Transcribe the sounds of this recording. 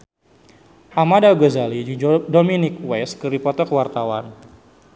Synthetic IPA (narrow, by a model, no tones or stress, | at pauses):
ʔamadaɡəzalidominɪk̚wɛskəɾipɔt̪ɔkəwart̪awa̰n